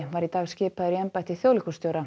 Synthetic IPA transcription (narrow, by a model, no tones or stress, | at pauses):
vaɾit̪aːɣscɪːpaðʏɾiɛmpajt̪ɪ̥θjoːwlihkust̪joːwɾa